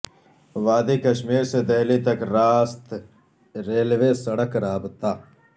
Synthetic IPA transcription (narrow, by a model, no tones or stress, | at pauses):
ʋaːd̪ikɐʃmiːɾsed̪eːlit̪ɐkɾaːst̪ | ɾeːlʋeːsɐɽəkɾaːbt̪aː